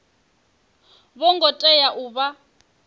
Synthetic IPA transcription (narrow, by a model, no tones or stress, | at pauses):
βɔŋɡɔtʼɛjaʔuːβa